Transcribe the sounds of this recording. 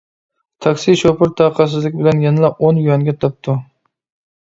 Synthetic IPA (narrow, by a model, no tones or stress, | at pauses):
t̪ʰɑkʲsiʃopʊɾt̪ʰɑːqʰɑs̬ɪzlɪkʲbɪlɛnjɛnɨlˠɑonjujɑnɡʲɛt̪ʰɑp̚t̪ʰu